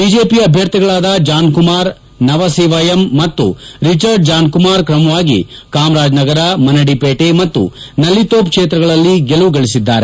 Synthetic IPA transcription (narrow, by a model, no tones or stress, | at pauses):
biːd͡ʒeːpiɐbʱjɐɾt̪iɡɐɭaːd̪ɐd͡ʒaːnkumaːɾ | nɐʋɐseːʋajɐmːɐt̪ːṵɾit͡ʃɐɾɖ̚d͡ʒaːnkumaːɾkɾɐmɐʋaːɡḭkaːmɾaːd͡ʒnɐɡɐɾɐmɐnɐɽipeːʈemɐt̪ːṵnɐlːit̪oːpkʂeːt̪ɾɐɡɐɭɐlːiɡeluɡɐɭisid̪ːaːɾe